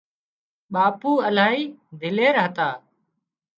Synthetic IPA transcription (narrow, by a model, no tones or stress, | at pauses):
ɓaːpuːəlaːɦiːd̪ʱɪleːɾɦət̪aː